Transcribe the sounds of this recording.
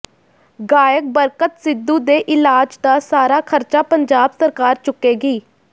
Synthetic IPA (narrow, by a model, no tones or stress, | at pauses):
ɡaːjək̚bəɾkət̪sɪd̪ːuːd̪eːʔɪlaːd͡ʒd̪aːsaːɾaːkʰəɾt͡ʃaːpəɲd͡ʒaːbsəɾkaːɾt͡ʃʊkːeːɡiː